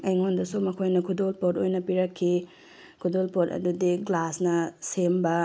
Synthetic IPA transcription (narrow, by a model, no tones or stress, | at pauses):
ɐjŋondɐsomɐkʰojnɐkʰudolpotojnɐpiɾɐkʰːi | kʰudolpotɐ̰dudiɡlasnɐsembɐ